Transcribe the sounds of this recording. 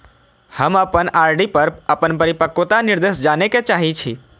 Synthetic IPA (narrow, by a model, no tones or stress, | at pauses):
həməpənaːɾɖipəɾəpənpəɾipəkot̪anɪɾd̪eʃd͡ʒaːneket͡ʃaːɦit͡ʃʰi